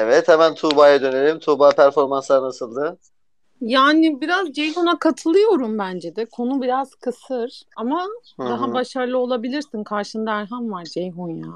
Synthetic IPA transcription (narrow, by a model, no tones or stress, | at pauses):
evɛt̪hɛmænt̪ʰuːbajad̪ø̞ne̞lʲimt̪ʰuːbaːpʰæɾfo̞ɾmanslˠaɾnasɯlˠd̪ɯ | jaːnɪbiɾazd͡ʒejɦonakʰat̪ʰɯlˠɯjo̞ɾumbænd͡ʒɛd̪ɛkʰo̞nubiɾaz̥kʰɯsɯɾ̥ama | d̪aɦabaʃaɾlˠɯo̞lˠabilʲiɾsinkʰaɾʃɯnd̪aæɾɦanvaɾd͡ʒejɦonja̰